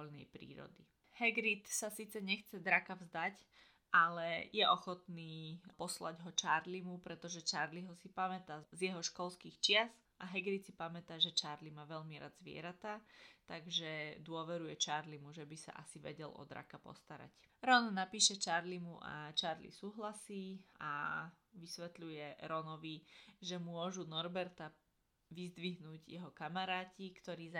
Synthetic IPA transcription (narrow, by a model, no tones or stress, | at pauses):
ɔʎnɛjpɾḭːɾɔ̰d̪i | hɛɡɾit̪sasiːt͡sɛɲɛxt͡sɛd̪ɾakavzd̪ac | ʔalɛjɛʔɔxɔt̪niːpɔsla̰ɟɦɔt͡ʃaɾlimupɾɛt̪ɔʒɛt͡ʃaɾliɦɔsipamɛt̪aːzjɛɦɔʃkɔlskiːxt͡ʃɪas | ʔaɦɛɡɾit̪sipamɛt̪aːʒɛt͡ʃaɾlimaːʋɛʎmiɾa̰d̪zʋɪɛ̰ɾat̪at̪aɡʒɛd̪ʊɔʋɛɾujɛt͡ʃaɾlimuʒɛbisa̰ʔasiʋɛ̰ɟɛlɔ̰d̪ɾa̰kapɔ̰st̪aɾa̰cɾɔnnapiːʃɛt͡ʃaɾlimuʔa̰t͡ʃaɾlḭsuːɦlasiːa̰ | ʋisʋɛt̪lujɛɾɔnɔʋiʒɛmʊɔʒunɔɾbɛɾt̪a | ʋizd̪ʋiɦnuːɟjɛɦɔkamaɾaːcikt̪ɔɾiːz